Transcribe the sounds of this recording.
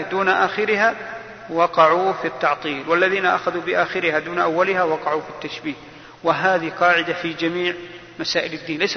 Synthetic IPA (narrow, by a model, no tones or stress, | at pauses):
d̪uːnaʔaːxɪɾɪha | wɑqɑʕufit̪ːɑʕt̪ˤiːlwalːaðiːnaʔa̰xaðubɪʔaːxɪɾɪhad̪uːnʔawːalɪhawɑqɑʕufit̪ːaʃbiːʔ | wɪɦaːðiqɑːʕɪd̪afid͡ʒamiːʕ | masaːʔɪlɪd̪ːiːnlajs